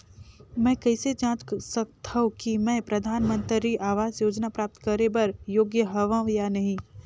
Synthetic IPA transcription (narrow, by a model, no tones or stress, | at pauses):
mɛ̃ːkɛɪsed͡ʒãːt͡ʃsək̚t̪ʰaɦõkimɛ̃ːpɾɐd̪ʱaːnmə̃nt̪ɾiʔaːʋaːzjoːd͡ʒnapɾaːp̚t̪kɐɾebɐɾjoːɡjəɦɐʋãjanɐɦĩː